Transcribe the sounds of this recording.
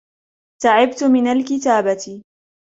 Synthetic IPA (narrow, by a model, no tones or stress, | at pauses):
saʕɪbt̪ʊmɪnalkɪt̪aːbat̪ɪ